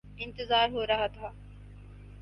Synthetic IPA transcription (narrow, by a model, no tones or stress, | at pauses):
ɪ̃nt̪ɪzaːɾɦoːɾɐɦat̪ʰaː